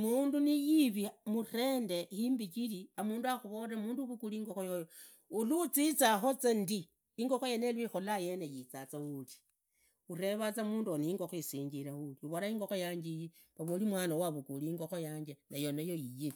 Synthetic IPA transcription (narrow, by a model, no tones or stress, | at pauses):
muːndunijiβimure̞ːnde̞himbit͡ʃiliamuːnduaxuβoɾamuːnduβukuliːŋɡoxojojo | uluːt͡sit͡saxo̞t͡sendiː | ŋɡoxojenelwixolajenejit͡sat͡sauli̥ | ure̞βat͡samuːnduoniiːŋɡoxoisiːɲɡiɾauliuβoɾaiːŋɡo̞xojaːɲd͡ʒiji | βaβolimwaːnawaβukuliiŋɡoxojaːɲd͡ʒenajo̞najoije